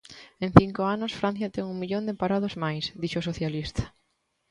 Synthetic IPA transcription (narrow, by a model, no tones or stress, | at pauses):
ẽŋ̟θiŋkoanʊsfɾãn̟θjɐt̪ɛŋuŋmiʎond̪empaɾaðozmajsðiʃosoθjalist̪ɐ̥